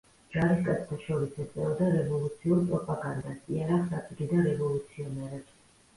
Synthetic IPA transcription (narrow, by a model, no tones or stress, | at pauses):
d͡ʒ̥aɾiskʼat̪sʰt̪ʰaʃɔɾisɛt̪sʼɛɔd̪aɾɛvɔlˠut̪sʰiuɾpʼɾɔpʼaɡand̪asiaɾaχsat̪ʼiɡid̪aɾɛvɔlˠut̪sʰiɔnɛɾɛb